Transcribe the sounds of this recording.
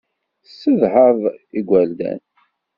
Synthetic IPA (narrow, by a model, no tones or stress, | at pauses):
sːəðhəðˤiɡʷæld̪æ̰n